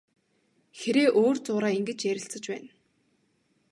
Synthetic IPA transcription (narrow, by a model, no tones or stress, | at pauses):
xeɾeːʔoːrt͡sʊːɾaːiŋɡɘ̆t͡ɕjæɾʲɪ̆ɬt͡sə̆t͡ɕpæːn